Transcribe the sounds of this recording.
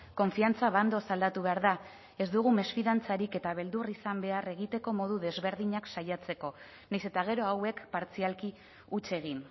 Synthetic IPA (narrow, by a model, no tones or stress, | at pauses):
ko̞ɱfiant͡saβand̪o̞sald̪at̪uβe̞aɾða | e̞zd̪uɣ̞ume̞sfiðant͡saɾike̞t̪aβ̞e̞ld̪urisambe̞are̞ɣit̪e̞ko̞mo̞ð̞uðe̞zβe̞ɾðiɲaksajat͡se̞ko̞ | najse̞t̪aɣ̞e̞ɾo̞awe̞kpaɾt͡sialki | ut͡se̞ɣ̞in